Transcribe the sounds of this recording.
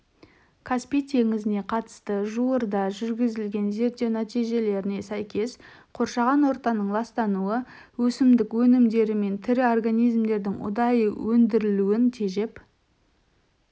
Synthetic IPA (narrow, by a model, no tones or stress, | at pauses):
kʰaspijt̪ʰe̞ŋɪzɪne̞qʰɑt̪ə̥st̪əʒuəɾd̪ɑʒʏɾɡʲɪzɪlɡʲe̞nze̞ɾt̪ːe̞wnæt̪ijʒe̞le̞ɾɪne̞sæjkʲʰe̞sqʰo̞ɾʃɑʁɑnwo̞ɾt̪ɑnəɴlˠɑst̪ɑnuə | wɵsɪmd̪ɪkwɵnɪmd̪e̞ɾɪme̞nt̪ʰɪɾɪo̞rɡanijzmd̪e̞ɾd̪ɪŋʊ̰d̪ɑjəwɵnd̪ɪɾɪluɪnt̪ʰe̞ʒe̞p